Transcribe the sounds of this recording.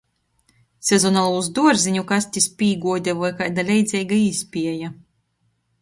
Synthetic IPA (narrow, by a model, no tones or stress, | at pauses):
sʲezɔnalˠuuzd̪uɔɾziɲukasʲt̪ʲispʲiːɡuɔd̪ʲɛvɔjkajd̪alʲɛjd̪zʲɛjɡaisʲpʲiɛja